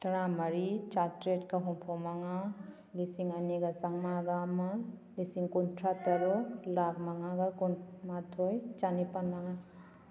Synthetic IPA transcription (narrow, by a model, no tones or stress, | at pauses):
taɾamaɾit͡ʃatɾetkaɦɔmpʰɔmaŋa | lisiŋɐniɡat͡ʃaŋmaɡamalisiŋkuntʰɾataɾɔlaɡ̚maŋaɡakunmatʰojt͡ʃanipanmaŋa